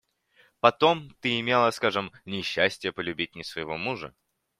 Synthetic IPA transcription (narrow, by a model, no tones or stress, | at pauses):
pɐt̪o̞mt̪ɨɪmʲelˠəskaʐɨmnʲɪɕːæsʲtʲɪjəpəlʲʉbʲit̚ʲnʲɪsvəjɪvo̞muʐə̰